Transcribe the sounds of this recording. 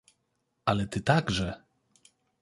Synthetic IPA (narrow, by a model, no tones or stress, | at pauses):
alɛt̪ɘt̪aɡʐɛ